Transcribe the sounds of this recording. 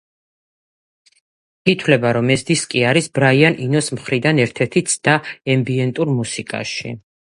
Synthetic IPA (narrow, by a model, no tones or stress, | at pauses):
it̪ʰwlɛbaɾɔmɛsd̪iskʼiaɾisbɾaianʔinɔsmχɾid̪anɛɾt̪ʰɛɾt̪ʰit̪sʰd̪̥aɛmbiɛnt̪ʼuɾmusikʼa̰ʃḭ